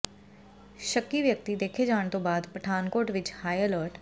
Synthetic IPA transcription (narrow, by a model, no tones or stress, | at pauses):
ʃəkːiʋjək̚t̪id̪eːkʰed͡ʒaːɳ̃t̪õːbaːd̪pɾəʈʰaːnkoːɾʈʋɪt͡ʃhaːieləːɾʈ